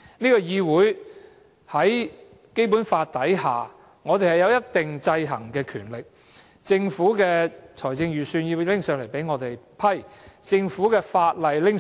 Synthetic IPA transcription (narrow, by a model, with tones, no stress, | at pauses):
niː˥kɔː˧jiː˧wuː˨˥j | hɐ˨˥j | ke˥jp̬u˨˥nfaː˧t̚t̪ɐ˨˥jɦaː˨ | ŋɔː˨˧t̪e˨jhɐ˨jɐ˨˧wjɐ˥t̚t̪ɪ˨ŋt͡sɐ˧jɦɐ˨˩ŋkɛː˧kʰyː˨˩nlɪ˨k̚ | t͡sɪ˧ŋfuː˨˥kɛː˧t͡sʰɔː˨˩jt͡sɪ˧ŋjyː˨˩syː˧njiː˧lɪ˥ŋsœː˨ŋle˨˩jpe˨˥jŋɔː˨˧t̪e˨jpʰɐ˥jt͡sɪ˧ŋfuː˨˥kɛː˧faː˧t̚lɐ˨jlɪ˥ŋ